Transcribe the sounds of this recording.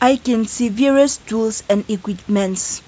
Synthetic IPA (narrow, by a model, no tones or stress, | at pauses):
ʔajkɛ̃nsiviɹəstulsɛ̃nikwip̚mɛ̃nts